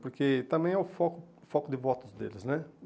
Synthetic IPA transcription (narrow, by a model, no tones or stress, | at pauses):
poɾket̪ɐ̃mbẽj̃ɛʊfɔkʊfɔkʊd̪ɪvɔt̪ʊzd̪ḛlɪsnɛ